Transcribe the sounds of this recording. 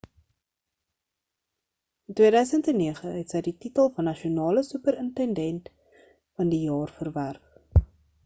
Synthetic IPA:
əntwiədœɥsəntɛnːiəχəɦɛtsəjdititəlˠfɐnːɐʃiunɑːləsʉpəɾəntɛndɛnt | fɐndijɑːrfərværk

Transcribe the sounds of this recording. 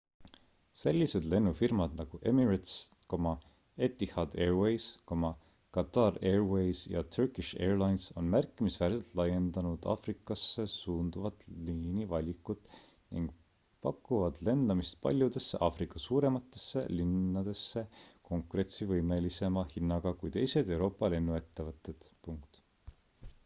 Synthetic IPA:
se̞lʲːise̞d̪̥le̞nːufirmɑd̪nɑɡ̥uʔe̞miɾet̪skomɑ | e̞t̪ːihɑd̪̥e̞ːrwejskomɑ | kɑt̪ːɑre̞rwejsjɑ̰t̪ʰyrkiʃe̞ːrlɑjnso̞̰nmærkːˑimisvæːɾselt̪ˑlɑje̞nd̪ɑnud̪̥ɑ̰frikːˑɑsːe̞suːnd̪uvɑt̪ːˑliːnivɑlʲikːut̪ | nḭŋɡ̥ | pɑkːˑuvɑd̪̥le̞nd̪̥ɑmist̪̚pɑ̰lʲjud̪e̞sːeʔɑfrikːˑɑsuːɾe̞mɑt̪ːˑe̞sːe̞̰linːɑd̪e̞sːe̞ko̞ŋkuɾe̞t̪sivɤjme̞lise̞mɑhinːɑɡ̥ɑkujt̪e̞jse̞d̪e̞wɾo̞ːpːˑɑle̞nːue̞t̪ːe̞vɤt̪ːˑe̞d̪̥puŋk̚t̪

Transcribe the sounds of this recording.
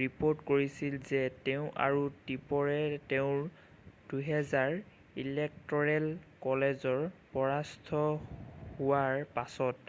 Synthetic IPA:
ɹipoɹtkoɹisilzɛteʊ̃ʔa̰ɹutipɔɹɛteʊ̃ɹ | d̥uɦɛzaɹ | ilɛk̚tɔɹɛlkɔlɛzɔɹpɔɹastʰɔhuwaɹpasɔt

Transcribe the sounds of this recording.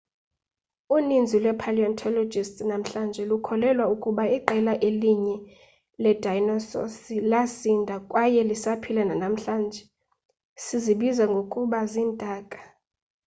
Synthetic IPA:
unind͡zʱilwɛpʰaliɔntʰɔlɔd͡ʒʱistnam̩ɬand͡ʒʱɛlukʰɔlɛlwaukʼuɓaiǃɛlaʔeliɲɛ | lɛdʱajnɔsɔ̰silasindʱakʼwajɛlisapʰilɛnanam̩ɬaːnd͡ʒʱɛ | siziɓizaŋɡʱokʼuɓaziːndʼʱaːkʼḁ

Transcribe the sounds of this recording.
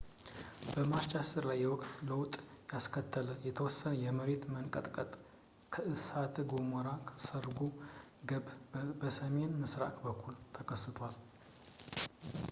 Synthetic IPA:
b̥əmat͡ʃasɨɾlajːɛwɔkʼt̪ləwt̪ʼjaskʰət̪ʰːələjɛt̪ʰəwɔsːənəjɛməɾe̞t̪mənkʼət̪ʼkʼət̪ʼ | kʰəʔɨsat̪ʰɡoməɾakʰə̥səɾɡuɡəbbəsəme̞nmɨsɾa̰kʼbəkʰːult̪ʰəkʰəsɨt̪ʰʷal

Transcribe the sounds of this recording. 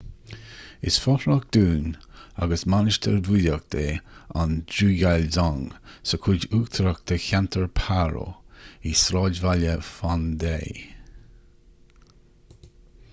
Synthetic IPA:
ɪ̰sfɔhɾak̚d̪̥uːna̰ɡəsmanɪʃt̪ʰəɾvulək̚d̪̥eːa̰ndɾuːɡalzɔŋsəkʰud͡ʒuːkt̪ʰɾəkt̪ʰəçant̪ʰəɹpʰaɾo̰isɾɑːdvaləfand̪ḛː

